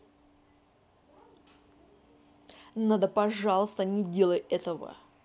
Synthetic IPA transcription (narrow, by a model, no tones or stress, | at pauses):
nad̪əpɐʐalˠəst̪ənʲɪdʲelˠəjɛt̪əvə̰